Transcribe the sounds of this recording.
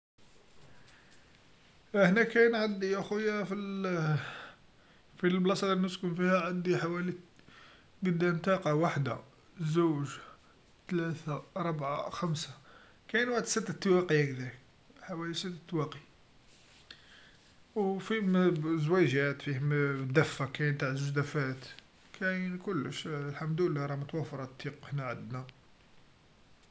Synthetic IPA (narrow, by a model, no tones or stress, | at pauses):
ʔəħnækæjnʕad̪iʔæxʊjːæfil | filblɑsˤɑd̪ɾnəskʊmfihæʕad̪iħawæli | ɡəd̪ːæmt̪ɑqɑwaħd̪a̰ | zuwʒ | t̪læt̪aɾˤəbʕaxæmsa | kæjnwaʕd̪sət̪ːæt̪ːwæqiækd̪æ | ħawælisət̪ːæt̪ːwæqi | wfimzwæʒæt̪fihmd̪æfːakæjət̪aʕzuʒd̪æfæt̪ | kʰæjənkʊlːəʃlħamd̪əlːæɾˤɑmət̪wæfɑɾˤɑt̪ːiqəħnæʕəd̪na